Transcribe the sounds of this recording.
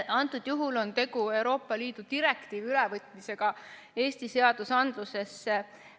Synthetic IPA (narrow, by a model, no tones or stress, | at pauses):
ɑnt̪ːˑud̪̥juɦulo̞nt̪e̞ɡue̞wɾo̞ːpːˑɑliːd̪̥ut̪iɾe̞kt̪iːvylɛvɤt̪ˑmise̞ɡ̥ɑ | e̞ːsʲt̪ise̞ɑd̪usɑnd̪̥luse̞sː